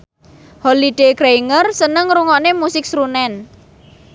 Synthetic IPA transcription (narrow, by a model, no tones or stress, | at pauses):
holiɖ̥eɡɾeiŋərsənəŋɾuŋɔnemusɪk̚sɾunɛn